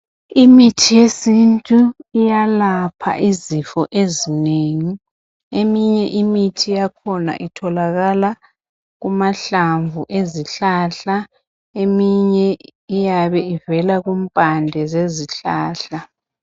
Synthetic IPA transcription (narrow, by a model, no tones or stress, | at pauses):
imitʰijesintʼuijalapʰa̰ʔizifɔʔezineːŋi | emiɲɛʔimitʰijakʰɔna̰ʔitʰɔlaɣala | ɣumaɬaɱvuʔeziɬaɬa | emiɲɛijaβɛivɛlaɣum̩pʼandʱɛzeziɬaːɬa